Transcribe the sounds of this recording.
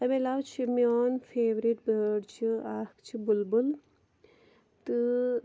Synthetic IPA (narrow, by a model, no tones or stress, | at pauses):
ɐmelawt͡ʃʰimioːnfʰeːʋɾiʈbəːɖt͡ʃʰiakt͡ʃʰibulbul | t̪ɨ